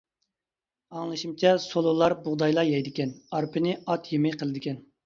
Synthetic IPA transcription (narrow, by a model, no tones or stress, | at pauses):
ɑŋlˠɨʃimt͡ʃʰɛsolˠʊlˠɑɾbʊʁd̪ɑjlˠɑjɛjd̪ɪkʲɛnɑɾpʰɨnɪɑt̪ʰjemɪjqʰəlˠɨd̪ɪkʲɛn